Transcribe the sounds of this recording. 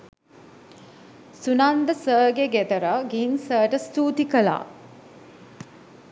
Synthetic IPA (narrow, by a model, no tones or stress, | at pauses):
sunand̪əsəːɡeɡet̪əɾəɡinsəːʈəst̪uːt̪ikəla̰ː